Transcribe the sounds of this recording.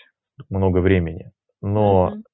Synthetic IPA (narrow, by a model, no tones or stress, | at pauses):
t̪mno̞ɡəvɾʲemʲɪnʲɪ̰ | no